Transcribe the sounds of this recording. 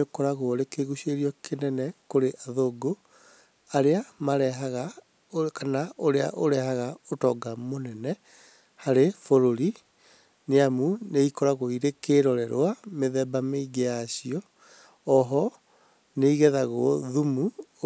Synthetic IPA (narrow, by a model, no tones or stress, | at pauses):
okɔɾaɣoɾekeɣuɕeɾiɔkʰenɛnɛkoɾeʔaðoɡo | aɾeamaɾɛɦaɣa | okanaʔoɾea̰ʔoɾɛhaɣaotɔɡamonɛnɛ | haɾefoɾoɾi | neamuneikɔɾaɣoiɾekeɾɔɾɛɾoameðɛbameiɡejaɕiɔ | ɔɦɔ | neiɣɛðaɣoðumu